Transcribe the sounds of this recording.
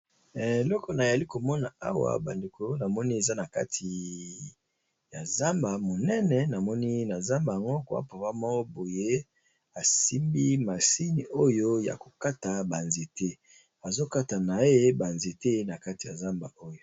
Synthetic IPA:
e˨lɔ˦kɔ˨na˨ja˨li˦ko˨mɔ˦na˨a˦wa̰˨ba˨nde˨ko˨˦na˨mɔ˦ni˦e˨za˦na˨ka̰˦tʰi˨ | ja˨za˦mba˨mo˨nɛ˦nɛ˨na˨mɔ˦ni˦na˨za˦mba˨ja˨ŋɡo˦ka̰˦pa˨pa˦mɔ˦o˦bo˨je˦ | a˨si˦mbi˦ma˨si˦ni˨ʔo˦jo˦ja̰˨ko˨ka˦ta˨ba˨nze˨te˦ | a˨zo˦ka˦ta˨na˨˦e˦ba˨nze˨te˦na˨ka˦ti˨ja̰˨za˦mba˨o˦jo˨

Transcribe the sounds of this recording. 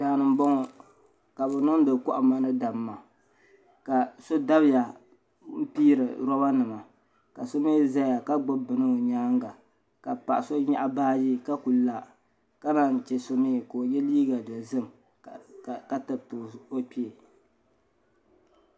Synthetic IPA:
daː˨nɨ˨m˦bɔ˦ŋɔ˨ | ka˨bɛ˨nɨ˦ŋ˦dɨ˨kɔ˦ʔa˨ma˦nɨ˦da˨mːa˨ | ka˨so˦da˦bɪ˦ja˨ | m̩˦piː˦ɾɨ̰˨ɾɔ˦ba˦nɨ˨ma˨ | ka˨so˦me˦za˦ja˨ka˦ɡ͡bo˦bɨ˨nɨ˦o˨ɲaː˦ŋɡa˨ | ka˨pa̰˨ʔa˨so˦ɲa˦ʔa˦baː˦ji˦ka˦ku˨la˨ | ka˦na˨n˨t͡ʃɛ˦so˦me˦˨ko˨o˨jɛ˦liː˦ɡa˨dɨ˨zɨ˦m˨ | ka˦tɨ˨tːo˦k͡pi˦e˨

